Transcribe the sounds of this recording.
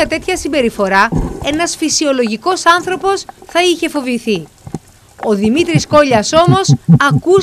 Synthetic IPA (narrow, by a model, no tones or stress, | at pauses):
ɐt̪e̞t̪çɐsimbe̞ɾifo̞ɾɐe̞nɐsfisio̞lo̞ʝiko̞sɐnθɾo̞po̞sθɐiçe̞fo̞viθi | o̞ðimit̪ɾisko̞ʎɐso̞mo̞sɐku